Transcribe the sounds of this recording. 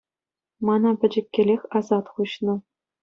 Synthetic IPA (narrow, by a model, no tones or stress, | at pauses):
mɑnɑpʲɘ̆d͡ʑɘ̆kʲːĕlʲexʲɑzɑt̪χuɕnɤ̆